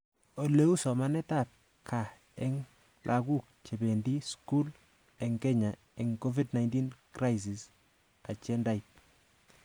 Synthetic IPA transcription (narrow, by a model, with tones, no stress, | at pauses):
o˨le˦u˦sɔ˨ma˦nɛ˦ta˦˨t̚ | kʰa˨ | ɛ˦ŋ | lʔaɡu˦k̚t͡ʃe˨be˨ndi˦sku˦l | ɛ˨ŋɡɛ˦ɲa˨ | ɛ˨ŋko˦vi˦dna˨jnti˦nkra˦js̬i˨s | a˨t͡ʃɛ˦nda˦jt̚